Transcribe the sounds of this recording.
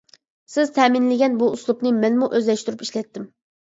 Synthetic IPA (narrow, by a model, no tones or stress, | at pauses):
sɪz̥t̪ʰɛmɪnlɪɡʲɛnbuuslˠupnɨmɛnmuʔøzlɛʃt̪uɾupiʃlɛt̪ːɪm